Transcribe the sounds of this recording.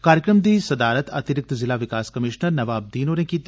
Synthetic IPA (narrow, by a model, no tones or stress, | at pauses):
kaːɾjəkɾəmd̪iːsɐd̪aːɾət̪ɐ̰t̪ɪɾɪk̚t̪zɪlaʋɪkaːskɐmɪʃnəɾnɐʋaːb̚d̪iːnoːnẽkiːt̪